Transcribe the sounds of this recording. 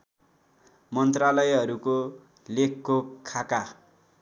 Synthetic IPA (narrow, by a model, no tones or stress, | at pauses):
mʌnt̪ralʌjɦʌɾuko | lekʰːokʰːaka